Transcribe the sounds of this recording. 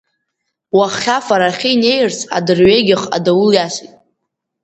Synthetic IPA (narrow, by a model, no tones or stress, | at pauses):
waχːʲafaɾaχʲiine̞jrt͡sʰa̰dɨrɥeɡʲɪχa̰dawuljaʃitʼ